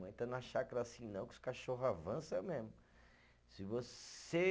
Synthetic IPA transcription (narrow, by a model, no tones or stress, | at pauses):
ẽt̪ɐnɐʃakɐɾasĩnɐ̃w̃kʊskaʃoɦʊavɐ̃sɛmezmʊ | sɪvose